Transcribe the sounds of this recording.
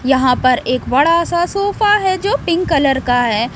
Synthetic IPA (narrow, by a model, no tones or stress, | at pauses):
jɐɦãpɐɾeːkbɐɽasasoːfaɦɛd͡ʒoːpɪ̃ŋːɐləɾkaɦɛː